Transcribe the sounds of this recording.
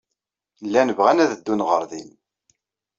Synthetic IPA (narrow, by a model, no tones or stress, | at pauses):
lːænəvʁænæðəd̪ːunʁəɾˤðin